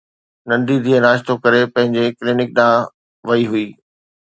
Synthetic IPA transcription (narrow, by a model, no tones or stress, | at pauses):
nɐ̃nd̪id̪ʱiənaːʃt̪okɐɾepɐ̃ɦɪ̃ɲd͡ʑeklɪnɪk̚ɗãː | ʋɐiɦuiː